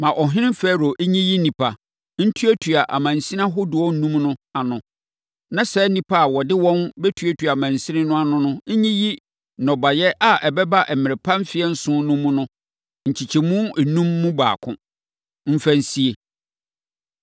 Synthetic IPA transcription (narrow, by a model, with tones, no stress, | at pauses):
mã˨ʔɔ˨ɦɪ̃˦ɪ̃˦m˦fɛ˦˨ɾo˨ʔ̩˦ɲĩ˦ji˦nĩ˨pʰa˨ | n̩˦tʰu˦æ˦tʰu˨a˨ʔa̰˨mã˨n̩˨sĩ˦nã˦ɦʊ˦dʊ˨ɔ̃˦n̩˦nːũ˦mnʊ̃˦a˨nʊ̃˨ | nã˦sɛ˦nĩ˨pʰa˦a˨wɔ˨dɪ˦wɔ̃˦nbɛ˦tʰu˨e˦tʰɥa˨mã˨n˨sɪ˦nɪ̃˦nʊ̃˦a˨nʊ̃˦nʊ̃˦ɲĩ˦ji˦ | nɔ̃˨ba˨jɛ˦ʔa˨ʔɛ˨bɛ˦ba˦ʔɛ˨mɪ̃˨ɾɪ˨pʰã˦m˦fɪ˨˦ɛ˦n̩˦sʊ̃˦nʊ̃˦mʊ̃˦nʊ̃˦ | ɲ̩˨t͡ɕʰi˨t͡ɕʰɛ˨mũ˦˨nũ˦mːũ˦ba̰ː˨kʰʊ̰̃˦ | m̩˦fæ˦n̩˦si˦e˨